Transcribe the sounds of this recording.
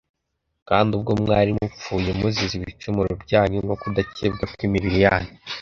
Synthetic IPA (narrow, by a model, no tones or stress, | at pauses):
kaːndub̚ɡo̞mŋaːɾimup͡fuːje̞muziziβit͡ʃumuɾobɟaːɲomɡokudaceːb̚ɡakwimiβiɾijaːɲo